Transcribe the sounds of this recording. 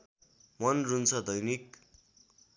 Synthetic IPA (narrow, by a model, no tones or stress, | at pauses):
mʌnrunt͡sʰʌd̪ʌjnik